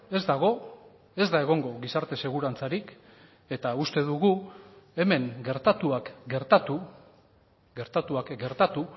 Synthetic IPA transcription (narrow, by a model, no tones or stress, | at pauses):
e̞zd̪aɣ̞o̞ | e̞zd̪ae̞ɣ̞o̞ŋɡo̞ɣisaɾt̪e̞se̞ɣ̞uɾant͡saɾik | e̞t̪aust̪e̞ðuɣue̞me̞ŋɡe̞ɾt̪at̪uakɡe̞ɾt̪at̪u | ɡe̞ɾt̪at̪uakɡe̞ɾt̪at̪u